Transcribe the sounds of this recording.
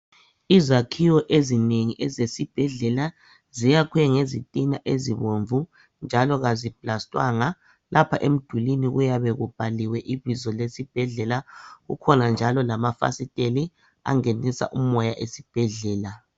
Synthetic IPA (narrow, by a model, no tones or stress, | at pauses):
izakʰiwɔʔezineŋiʔɛzesib̥ʱɛɮɛla | zijakʰwɛŋezḭtʼinaʔeziβoɱvu | nd͡ʒʱalɔɣazib̥ʱlastʼwa̰ŋa | lʔapʰa̰ʔem̩d̥ʱuliniɣujaβɛɣub̥ʱaliwɛʔiβizɔlesib̥ʱɛɮɛlaɣṵkʰɔnand͡ʒʱalɔlamafa̰sitʼeli | a̰ŋenisa̰ʔumɔjaʔesib̥ʱɛɮɛːla